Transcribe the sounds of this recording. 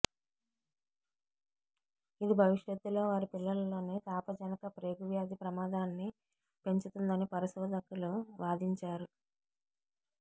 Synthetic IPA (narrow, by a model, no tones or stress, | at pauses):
id̪ibʱɐʋiʂjɐt̪ːulo̞ːʋaːɾipilːɐlɐlo̞ːneːt̪aːpɐd͡ʒɐnɐkɐpɾe̞ːɡuʋjaːd̪ipɾɐmaːd̪aːnːi | pe̞ɲt͡ʃut̪und̪ɐnipɐɾiʃɔːd̪ʱɐkuluʋaːd̪iɲt͡ʃaːɾu